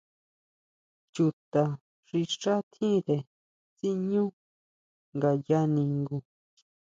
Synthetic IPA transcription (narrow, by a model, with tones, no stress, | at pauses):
t͡ʃu˧t̪a˧ | ʂi˧ʂa˦t̪ʰĩ˦ðe˨ | t͡si˦ɲũ˦ | ŋɡa˨ja˦˧nĩ˧ŋɡu˧